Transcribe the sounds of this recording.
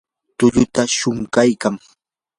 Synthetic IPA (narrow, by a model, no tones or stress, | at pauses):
t̪ʊʎʊt̪aʃʊŋkajkaŋ